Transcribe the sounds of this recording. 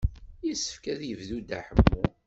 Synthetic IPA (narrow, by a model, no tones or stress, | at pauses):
jisə̥fkæðjəvðud̪aħəmːu